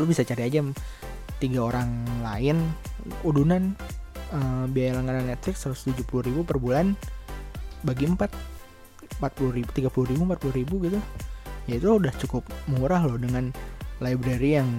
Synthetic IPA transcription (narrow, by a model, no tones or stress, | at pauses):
lubisat͡ʃaɾiad͡ʒam | t̪iɡaoɾaŋlaɪnudunanəbiajalaŋkananɛt̪̚flɪksəɾʊst̪ud͡ʒupuluribupərbulan | baɡiəmpat̪̚ | əmpat̪̚puluɾibut̪iɡapuluribumpat̪̚puluɾibuɡit̪ujait̪uudaht͡ʃukʊpmuɾahlʊhdəŋanlajbɾaɾijaŋ